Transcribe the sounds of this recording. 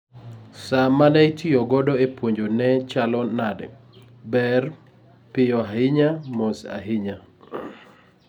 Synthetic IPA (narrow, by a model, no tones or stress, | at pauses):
samanɛitʰioɡɔdɔepwoɲd͡ʒonɛt͡ʃalɔnadɛ̰ | bɛr | pɪjɔahɪɲamosa̰ɦɪɲa